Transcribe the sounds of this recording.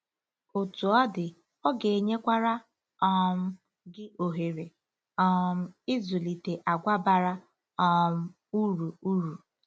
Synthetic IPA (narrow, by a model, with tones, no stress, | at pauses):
o˨tu˨ɔ˦dɪ˨ | ɔ˦ɡe˨ɲe˦kʷa˦ɾa˦ | ɔ˦m̩˦ | ɡɪ˦o˨ɦe˨ɾe˨ | ɔ˦m̩˦ɪ˦zʊ˨li˨te˨ʔa˨ɡʷa˦ba˨ɾa˦ | ɔ˦m̩˦ | u˦ɾu˨u˦ɾu˨